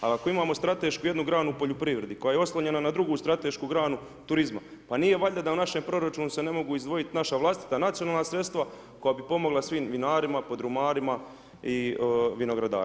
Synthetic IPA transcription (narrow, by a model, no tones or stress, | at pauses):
a̰lako̞imaːmo̞st̪ɾat̪e̞ːʃkujed̪nuɡɾaːnuːpo̞ʎopɾiːʋɾe̞d̪iko̞jajeo̞slˠaɲe̞nanad̪ɾuɡuːst̪ɾat̪e̞ʃkuɡɾaːnu | t̪uɾizma̰ | panije̞ʋaʎad̪aunaʃe̞mpɾo̞ɾat͡ʃuːnuse̞ne̞mo̞ɡuːizd̪ʋo̞jit̪naʃaʋlˠast̪i̥t̪anat̪sionaːlnasɾt̪st̪ʋa | ko̞jaːbipo̞mo̞ɡlˠasʋiːmʋinaːɾimapo̞d̪ɾumaːɾima | iʋino̞ɡɾad̪a̰ː